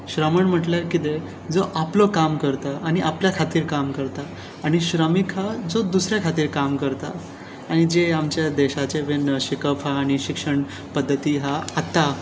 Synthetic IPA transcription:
ɕɾəməɳm̤əʈlaɾkit̪e | d͡zoʔaplokamkəɾt̪aaɽ̃iʔapljakʰat̪iːɾkamkəɾt̪aː | ɽ̃iɕɾəmikɦad͡zod̪usɾjakʰat̪iːɾkamkəɾt̪a̰ | aɽ̃id͡ʑeamt͡ɕjad̪eɕat͡ɕeʋenɕikəpɦaːɽ̃iɕikʂəɳ | pəd̪ʱːət̪iɦaːt̪a

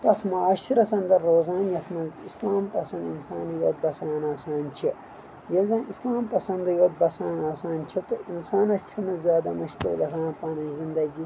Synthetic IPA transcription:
t̪ɐt̪ʰmɐaːʃiɾɐsɐnd̪ɐɾːoːzaːnjɐt̪ʰmɐislaːmpɐsɐ̃nd̪insaːnjoːd̪̚bɐsaːnaːsaːnt͡ʃʰi | jelzɐ̃ːnislaːmpɐsɐnd̪joːd̪̚bɐsaːnaːsaːnt͡ʃʰit̪ɨʔinsaːnɐt͡ʃʰimɐzʲjaːd̪amuʃkilɡɐt̪ʰãːnpaːnɐzind̪ɐɡi

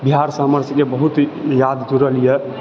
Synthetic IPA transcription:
biɦaɾsaməɾt̪əkebəɦut̪jad̪t̪uɾəlije

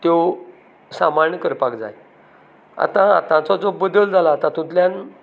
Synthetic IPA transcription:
t̪jo | samaɾɳəkəɾpakd͡za̰j | a̰t̪ãa̰t̪ãt͡sɔd͡zobəd̪əld͡zʱalaːt̪ãt̪ũt̪ljan

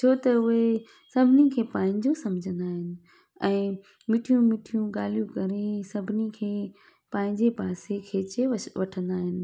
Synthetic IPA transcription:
t͡ɕʰoːt̪ɐʊɦe | sɐbʱɪnikʰeːpãːɦɪ̃ɲd͡ʑosɐmd͡ʑʱə̃nd̪aːɦɪnɪ̆ | ɛ̃ː | mɪʈʰijũmɪʈʰijũɠaːl̤ijũkɐɾesɐbʱɪnikʰeː | pãːɪ̃ɲd͡ʑepaːsekʰeːt͡ɕeʋɐʈʰə̃nd̪aːɦɪnɪ̆

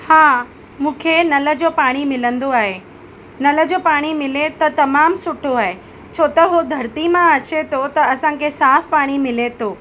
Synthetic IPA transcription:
haː | mũːkʰenɐlə̆d͡ʑoːpaːɽ̃imɪlə̃nd̪oaːɦe | nɐlə̆d͡ʑoːpaːɽ̃imɪlet̪ɐt̪ɐmaːmsʊʈʰoaːɦe | t͡ɕʰoːt̪ɐɦod̪ʱɐɾt̪imãɐt͡ɕet̪ʰot̪ɐɐsãkʰesaːfpaːɽ̃imɪlet̪ʰoː

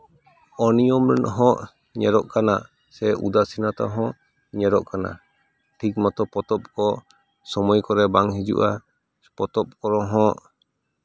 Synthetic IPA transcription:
ɔnijɔmɾɛnɦɔ̃ʔ | ɲɛɾɔʔkana̰ | sɛṵd̪asinat̪ɔ̰ɦɔ̃ʔ | ɲɛɾɔʔkana̰ | ʈʰik̚mɔt̪ɔpɔt̪ɔp̚kɔ | sɔmɔjkɔɾɛbaŋɦid͡ʒṵʔa | pɔt̪ɔp̚kɔɾɔɦɔ̃ʔ

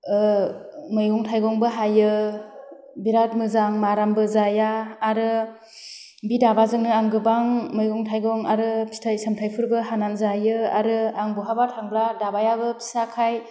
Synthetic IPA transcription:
mɯjɡɔŋtʰajɡɔŋbɯɦajɯ | biɾat̚mɯzaŋmaɾambɯzajaːɾɯ | bidabazɯŋnɯaŋɡɯbaŋmɯjɡɔŋtʰajɡɔŋaɾɯpʰi̥tʰajsamtʰajpʰɯɾɡɯɦananzajɯa̰ɾɯaŋbuɦabatʰaŋbɾadabajabɯpʰi̥sakʰaj

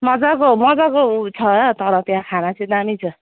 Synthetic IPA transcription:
mʌd͡zakomʌd͡zakout͡sʰʌt̪ʌɾʌt̪jãkʰanat͡sʰĩd̪amit͡sʰʌ

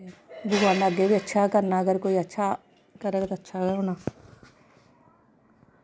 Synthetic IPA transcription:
bʊɡaːnaəɡeːbiːətːʃʰaːkəɾnaːəɡəɾkoːiːətːʃʰaː | kəɾəːɡt̪ːətːʃʰaːɡəoːnaː

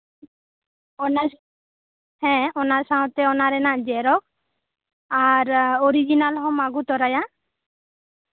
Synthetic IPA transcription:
ɔna | hɛ̃ɔnasaɔ̃t̪ɛɔnaɾɛnaʔd͡ʒɛɾɔk̚ | aɾɔɾid͡ʒinalɦɔmaɡut̪ɔɾaja

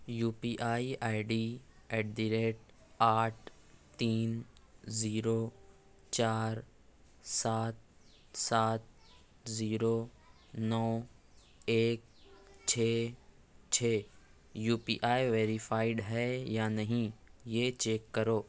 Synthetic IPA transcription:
juːpiːʔaːiʔaːɪɖiːɛːʈ̚ɖiɾeːʈ̚ | aːʈ̚ʰt̪iːnziːɾo | t͡ʃaːɾ | saːt̪̚ | saːt̪̚ | ziːɾoː | nɔː | eːk̚ | t͡ʃʰeː | t͡ʃʰeː | juːpḭːʔaːiʋeːɾɪfʰaːɪɖɦɛjanɐɦĩjet͡ʃeːkːɐɾoː

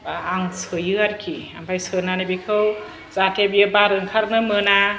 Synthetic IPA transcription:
baːŋsʰɯjɯaɾkʰiampʰajsɯnanibikʰɯw | zatʰebijɯbaɾɯŋkʰaɾnɯmɯna

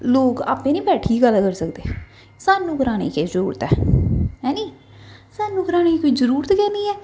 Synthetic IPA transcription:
loːka̰ːpẽːnĩːbɛːʈʰiːɡəlkəɾsəkd̪eː | saːnːũːkəɾaːñḛːkeːzəɾuːɾət̪ɛːɦɛːniː | saːnːũːkəɾaːneːkoiːzəɾuːɾət̪kɛ̃ːndiːɛː

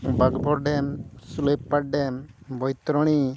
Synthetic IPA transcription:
baɡbɔɾɖɛmsulejppaʈɖɛmbɔjt̪ɾɔɽ̃i

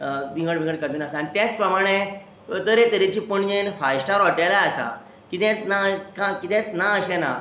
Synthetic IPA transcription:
ʋĩŋɡəɽʋĩɡəɽkad͡z̪uːnasaːɽ̃it̪jat͡spɾəmaɽ̃e | t̪əɾet̪əɾit͡ɕipəɳjenfajɕʈaɾɔʈalaəsa̰ | kit̪t͡snakãkit̪ɛ̃t͡snaəɕẽna̰

